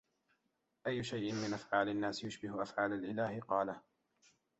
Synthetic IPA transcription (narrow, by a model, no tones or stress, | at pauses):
ʔajːʊʃajʔɪnmɪnʔafʕaːlanːaːsjʊʃbɪhʊʔafʕaːlalʔɪlaːhɪqɑːlah